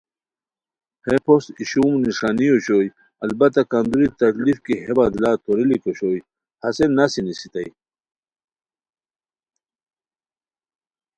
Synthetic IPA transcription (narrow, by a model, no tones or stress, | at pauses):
hepʰosiɕumniʂaːnijoɕoj | ɐlbɐt̪akand̪uɾit̪ɐklifkiɦebad̪laːt̪ʰoɾilikoɕoːj | hɐsenasinisit̪ɐj